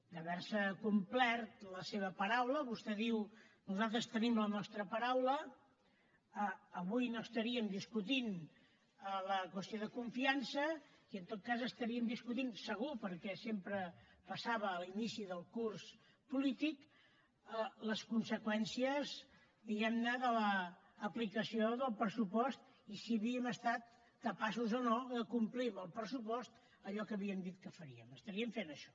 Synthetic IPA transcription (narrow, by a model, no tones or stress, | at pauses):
d̪əβɛɾsəkumplɛrt̪ləseβ̞əpəɾawləβust̪ɛðiwnuzalˠt̪̬ɾəst̪ənimlənɔst̪ɾəpəɾawlə | əːβujnoəst̪əɾiəmd̪iskut̪in | ələkwəst̪ioðəkuɱfiansəiənt̪ot̪̚kazəst̪əɾiəmd̪iskut̪insəɣupəɾkɛsempɾəpəsaβəːlinisiðəlˠkurs | pulit̪ik | ələskunsəkwɛnsiəz | ðiɣɛmnəðələː | plikəsioðəlˠpɾəsupɔst̪ | isiəβiəməst̪at̪̚ | kəpasuzonoðəkumpliməlˠpɾəsupɔst̪ | əʎɔkəːβiəmd̪it̪̚kəfəɾiəməst̪əɾiəɱfenəʃɔ̥